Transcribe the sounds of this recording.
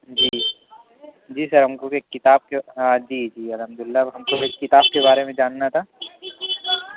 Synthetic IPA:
d͡ʒiː | d͡ʒiːsɐɾɦɐmkokekːɪt̪aːb̚keaːd͡ʒiːd͡ʒiːɐlɦəmd̪ʊɪlːaɦɐmkoekːɪt̪aːb̚kebaːɾemẽd͡ʒaːnːat̪ʰaː

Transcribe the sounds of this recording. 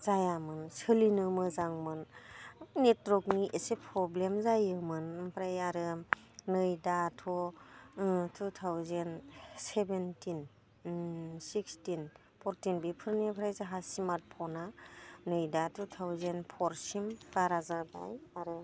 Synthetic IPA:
zajamɯnsɯlinɯmɯzaŋmɯn | netɾɔkniʔesepʰɾɔblemzajɯmɯnpʰɾajaɾɯ | nɯjdatʰɔ | tʰutʰawzensebentin | sikstin | pʰɔɾtinbipʰɯɾniapʰɾajzaɦasimat̚pʰɔnanɯjdatʰut̪ʰawzenpʰɔɾsimbaɾazaba̰jaɾɯ

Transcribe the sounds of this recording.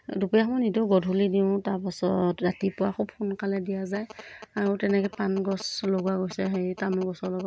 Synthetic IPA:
dupijaxɔmɔnituɡɔdʱulidiʊ̃taɹpasɔ̰tɹatipʊwaxʰub̚xunkalɛdijazajaɹutɛnɛkɛpanɡɔsloɡuwaɡojsɛɦejtamuɡɔsɔlɔɡɔ

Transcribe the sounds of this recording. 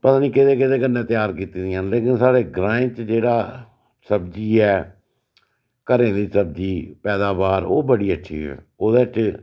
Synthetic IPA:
pət̪ãːniːkɪt̪eːkɪt̪eːkənːẽːt̪ɪjaːɾkiːt̪iːd̪ianleːkɪnsaːɽeːɡɾãːẽt͡ʃd͡ʒeːɽaː | səbd͡ʒiːɛː | kəɾẽːd̪iːsəb̚d͡ʒiːpɛːd̪aːbaːɾoːbəɽiːətːʃʰḭːɦɛ̰ː | oːd̪eːt͡ʃ

